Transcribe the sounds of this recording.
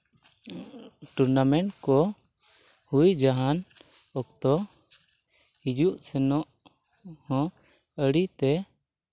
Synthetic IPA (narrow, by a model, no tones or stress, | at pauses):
ʈuɾnamɛɳʈkɔ | hujd͡ʒaɦanɔk̚t̪ɔ | hid͡ʒuʔsɛnɔʔ | hɔ̃ | əɽit̪ɛ